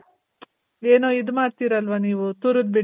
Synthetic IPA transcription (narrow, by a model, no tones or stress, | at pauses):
eːnoːid̪umaːɽt̪iːɾɐlʋɐniːʋut̪uɾud̪̚bi